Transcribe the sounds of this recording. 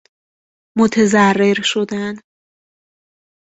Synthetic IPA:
mot̪ʰezærːeɾʃod̪æn

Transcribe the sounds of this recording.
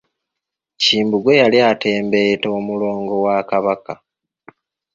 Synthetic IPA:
ciːmbuɡwe̞jaliate̞ːmbe̞to̞ːmulo̞ːŋɡo̞waːkaβaka

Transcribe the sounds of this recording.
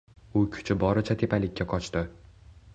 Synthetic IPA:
ʊkʲʰʊ̥t͡ʃʰɪbɒɾɪt͡ʃʰat̪ʰe̞palɪkʲːaqʰɒt͡ʃt̪ɪ

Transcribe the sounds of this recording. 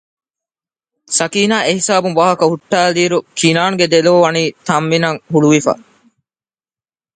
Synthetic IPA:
sɐkiːnaːʔeɦisaːbumʋaːɦɐkɐhuʈːæːliːɾukʰinaːnɡed̪eloʋʋɐniːt̪ɐmʋinɐŋhuɭuʋifa̰ː

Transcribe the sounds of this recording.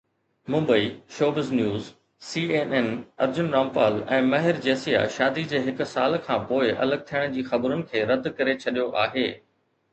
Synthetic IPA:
mʊ̃mbəiːʃoːbɪznjuːz | siːeːnɛnɐ̰ɾd͡ʑʊnɾaːmpaːlɛ̃ːmɐɦɪɾd͡ʑeːsija̰ʃaːd̪id͡ʑeːɦɪkʊsaːlkʰãːpoːɪʔɐ̰ləɡ̚t̪ʰijəɽ̃d͡ʑiːxɐbɾʊnɪ̆kʰeːɾɐd̪kɐɾet͡ɕʰɐɗijoʔaːɦeː

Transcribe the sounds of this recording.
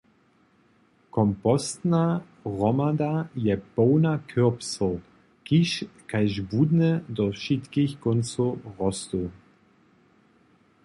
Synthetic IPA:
kʰɔmpɔstna | ʁɔmadajɛb̥oːnakʰøʁpsɔ | kiʃkʰaɪʒbuːdnədɔʃitkɪçkɔnt͡soʁɔst̪o

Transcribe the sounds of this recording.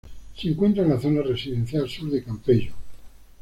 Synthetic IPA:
seŋkwe̞nt̪ɾaenlaθo̞naresiðe̞n̟θjalsuɾðekampeʝo

